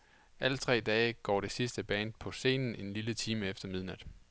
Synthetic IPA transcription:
ʔælət͡sʰʁɛ̰ːd̥ɛːɪɡ̥ɒ̰ːɾ̥e̝sisd̥əb̥ɛːnd̥̚pʰɒ̽se̝̰ːnn̩e̝nlilət͡sʰiːməefd̥ɐmið̞ˠnæd̥

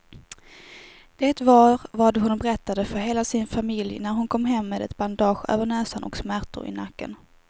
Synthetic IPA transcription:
d̪̥eːt̪vɑːɾvaɖɔhʊnbɛɾɛt̪ːad̪əfœɾɦeːlasɪnfamɪljnæɾɦʊnkʰɔmːɦɛmːeːd̪ɛ̰t̪band̪ɑːɧø̰ːvəɳɛːsanʔɔ̰ksmæʈʊ̰ɾɪ̰nakːə̰n

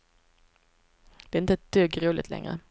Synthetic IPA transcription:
d̪̥ɛːɪnt̪əɛt̪̚d̪̥øːɡʁuːlɪt̪lɛ̰ŋʁə̰

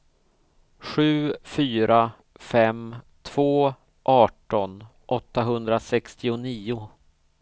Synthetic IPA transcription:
ɧʉ̟ːfyːɾa | fɛmt̪ʰv̥oː | ʔɑːʈɔn | ʔɔt̪ːaɦɵnd̪ɾasɛkst̪ɪʊniːʊ

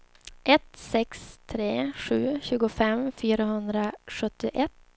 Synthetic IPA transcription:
ʔɛt̪sɛkst̪ʰɾeːɧʉ̟ːɕʉ̟ːɡʊfɛmfyːɾahɵnd̪ɾaɧɵt̪ːɪʔɛt̪ː

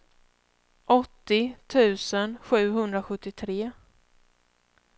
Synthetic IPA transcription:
ʔɔt̪ːɪt̪ʰʉ̟ːsənɧʉ̟ːɦɵnd̪ɾaɧɵt̪ːɪt̪ʰɾeː

